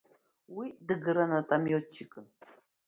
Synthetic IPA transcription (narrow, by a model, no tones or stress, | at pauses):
widɨɡɨɾanatʼamjot͡ʃʰːikʼɨn